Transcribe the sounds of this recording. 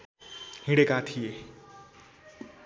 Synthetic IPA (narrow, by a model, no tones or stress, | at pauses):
hĩɽekat̪ʰie